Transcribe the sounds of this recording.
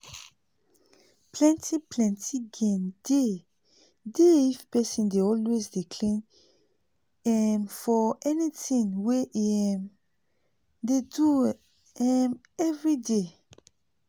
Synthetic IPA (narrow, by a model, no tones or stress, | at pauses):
plɛ̃ntʰiplɛ̃ntʰiɡɛ̃nde | deifpɛsĩndeɔlwezdikʰlĩn | ɛnfɔɛnitĩnweʔm | dedu | ɛm | ɛvɹide